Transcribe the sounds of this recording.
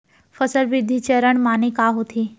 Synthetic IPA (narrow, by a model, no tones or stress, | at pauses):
fəsəlʋɪd̪ʱːit͡ɕəɾəɳmaːnikaɦot̪ʰi